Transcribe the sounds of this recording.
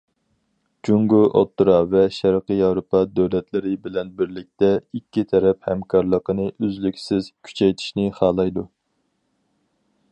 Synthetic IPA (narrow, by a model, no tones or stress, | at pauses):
d͡ʒuŋɡuʔo̰t̪ːɨɾɑvɛʃæɾqəjɑwɾopʰɑd̪øwlɛt̪lɪɾɪbɪlɛnbɪɾlɪk̚ʲt̪ɛikʲːit̪ʰɛɾɛphɛmkʰɑɾlˠəqənɨʔøzlykʲsɪz̥kʲʰy̥t͡ʃʰɛjt̪ʰi̥ʃnɪχɑːlˠɑjd̪u